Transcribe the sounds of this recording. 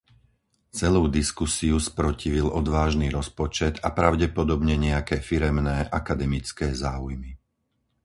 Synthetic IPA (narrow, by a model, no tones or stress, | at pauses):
t͡sɛluːd̪iskusiuspɾɔciʋilʔɔd̪ʋaːʒniːɾɔspɔt͡ʃɛd̪apɾaʊɟɛpɔd̪ɔbɲɛɲɛakɛːfiɾɛmnɛːʔakad̪ɛmit͡skɛːzaːujmi